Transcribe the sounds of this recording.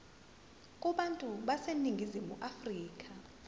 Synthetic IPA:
k̬ʼuɓantʼuɓaseniŋɡʱizimuʔafriːk̬ʼa

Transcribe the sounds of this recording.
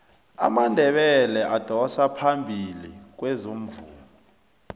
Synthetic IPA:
a̰mandʱɛɓɛlɛʔad̥ʱɔsapʰambʱilik̬wɛzom̩vuːl | ɔ

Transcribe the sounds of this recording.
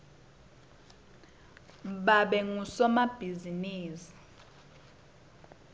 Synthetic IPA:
ɓaɓɛŋusɔmab̥ʱiziniːsi̥

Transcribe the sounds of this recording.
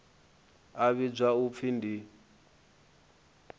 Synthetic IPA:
aβid͡ʒʷaup̪fʰindi

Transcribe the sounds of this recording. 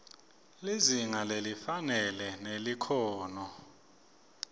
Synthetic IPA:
liziŋalelifanɛlɛnelikʰɔːnɔ

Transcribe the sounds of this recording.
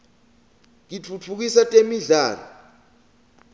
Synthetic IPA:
ŋit͡fʰut͡fʰuk̬isatʼemiɮaːra̰

